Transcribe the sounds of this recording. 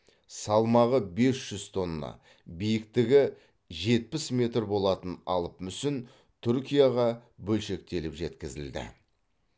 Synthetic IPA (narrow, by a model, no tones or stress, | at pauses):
sɑlˠmɑʁəbe̞sʒ̥ʏzt̪ʰo̞nːɑ̰ | bijɪkt̪ɪɡʲɪ | ʒe̞t̪̚pɪsmʲe̞t̪rbo̞lˠɑt̪ənɑ̰lˠəpmʏsɪn | t̪ʰʏɾkʲijɑʁɑbɵlʃe̞k̚t̪e̞lɪpʒe̞t̪kʲɪzɪld̪ɪ̰